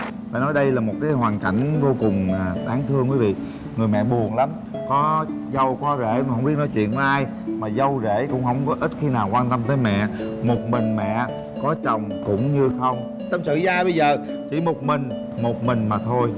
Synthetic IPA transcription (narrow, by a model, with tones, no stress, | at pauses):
faː˨˩nɔ˨˦jɗə˧jlaː˨˩mo˨˩t̚kaː˨˦jɦwaː˨˩nka̰˧˩jŋ̟vo˧kʊ˨˩ŋ͡maː˨˩ɗaː˨˦ŋt̪ʰɨ˧əŋkwi˨˦vḭ˧˨ | ŋɨ˨˩jmɛ̰˧˨ɓu˨˩ənla˨˦m | kɔ˨˦zə˧wkɔ˨˦zḛ˧˩m˨˩hə˧wŋ͡mɓi˦˥t̚nɔ˨˦jt͡ɕwḭ˧˨ənmɔ˧ʔaː˧j | maː˨˩zə˧wze˧˩˨kʊ̰˧˥ŋ͡mɦə˧wŋ͡mkɔ˨˦ʔi˦˥t̚xi˧naː˨˩wkwaː˧nt̪ə˧mt̪̬əː˨˦jmɛ̰˧˨mo˨˩t̚mï˨˩ŋ̟mɛ̰˧˨ | kɔ˨˦t͡ɕə˨˩wŋ͡mkʊ̰˧˥ŋ͡mɲɨ˧xə˧wŋ͡m | t̪ə˧msɨ̰˧˨zaː˧ɓə˧jzəː˨˩ | t͡ɕi˧˩mo˨˩t̚mï˨˩ŋ̟ | mo˨˩t̚mï˨˩ŋ̟maː˨˩t̪ʰo˧j